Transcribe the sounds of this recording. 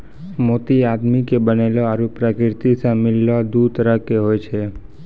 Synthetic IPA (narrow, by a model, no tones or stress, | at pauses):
mot̪iad̪mikebəneloaɾupɾakɪɾt̪isãmilːad̪ut̪əɾəkeɦojt͡ʃʰe